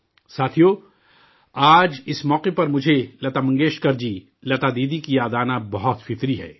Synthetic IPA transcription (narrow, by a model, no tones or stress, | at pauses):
saːt̪ʰijoː | aːd͡ʒɪsmɔːqepɐɾmʊd͡ʒʱelɐt̪aːmɐ̃ŋɡeːʃkɐɾd͡ʒi | lɐt̪aːd̪iːd̪ikijaːd̪aːnabɐɦɔt̪fɪt̪ɾiɦɛ̰ː